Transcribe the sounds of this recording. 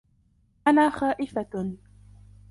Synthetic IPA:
ʔanaːxaːʔɪfa

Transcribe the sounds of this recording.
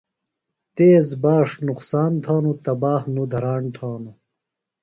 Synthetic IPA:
t̪eːzbaːʂnuqsaːnt̪ʰaːnut̪ɐbaːhnud̪ʱɐɾaːɳʈʰaːnu

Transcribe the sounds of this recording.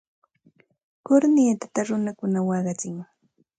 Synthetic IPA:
kʊɾnit̪ḁt̪aɾʊnakʊnawɑɢɑt͡sɪŋ

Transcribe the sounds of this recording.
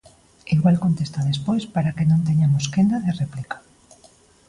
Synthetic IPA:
iɣwalkont̪est̪aðespojspaɾakenõnt̪eɲamoskend̪aðereplikḁ

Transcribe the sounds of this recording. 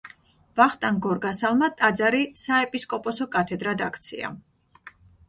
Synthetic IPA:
vaχt̪ʼanɡɔɾɡasalˠmat̪ʼad̪zaɾisaɛpʼiskʼɔpʼɔsɔkʼat̪ʰɛd̪ɾad̪akʰt̪sʰḭa̰

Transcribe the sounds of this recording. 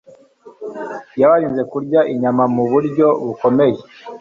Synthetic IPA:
jaβaɾiːnze̞kuɾɟaʔiɲamamuβuɾɟo̞βuko̞meje

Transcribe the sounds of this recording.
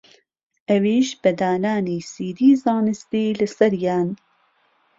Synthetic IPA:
ʔɐwiːʃbɐd̪aːnaːniːsiːd̪iːzɑːnɨst̪iːlɨsɐɾjaːn

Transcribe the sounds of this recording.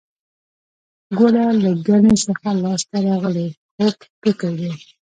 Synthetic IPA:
ɡoɽalaɡanesəxalɑst̪aɾɑɣəle | xokpəkawe

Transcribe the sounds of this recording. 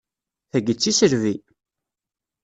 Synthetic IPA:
θæɡət͡sːisəɾvi

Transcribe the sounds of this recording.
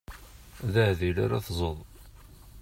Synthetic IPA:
ðəhðila̰ɾaθzˤəðˤ

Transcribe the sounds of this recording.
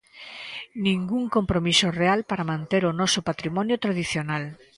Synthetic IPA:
nĩŋɡuŋkompɾomisorealpaɾamãnt̪eɾonɔsopat̪ɾimɔnjot̪ɾað̞iθjonal

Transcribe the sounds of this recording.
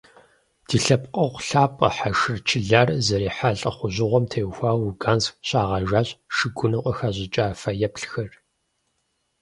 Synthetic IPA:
d̥iːɬɐp̚qʼɐʁʷɬaːpʼɐ̰ħaʃɨrt͡ʃʰɪɮaːrzɐɾiːħaɬʼɐ̰χʷʊʑɪʁʷɔmtʰejxʷaːwuɡaːnsxɕʼaːʁɐʒaːɕʼʃɨɡʷʊnɨqʷʼəxaʑɪt͡ʃʼaːfɐjɛpɬxɐr

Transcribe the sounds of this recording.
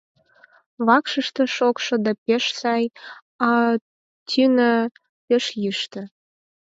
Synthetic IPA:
βɑkʃəʃt̪ə̆ʃokʃŏd̪ɑpeʃsɑj | ɑ | tʲʰynə̆ | peʃjiʃt̪ə̆

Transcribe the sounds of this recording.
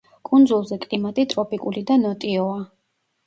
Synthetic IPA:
kʼund̪zulˠzɛkʼlimat̪ʼit̪ʼɾɔpʼikʼulid̪anɔt̪ʼiɔa

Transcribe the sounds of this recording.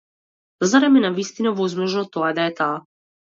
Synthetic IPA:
zaɾamɛnavist̪inavɔzmɔʒnɔt̪ɔad̪aɛt̪aː

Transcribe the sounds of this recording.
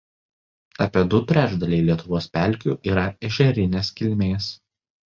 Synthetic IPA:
ɐpʲiɛd̪ʊt̪ʲɾʲæʒd̪ɐlʲɛɪlʲiɛt̪ʊʋoːspʲæˑlʲˑkʲuˑʔiːɾɐɪʃʲɛɾʲɪnʲeːskʲɪlʲmʲeːs

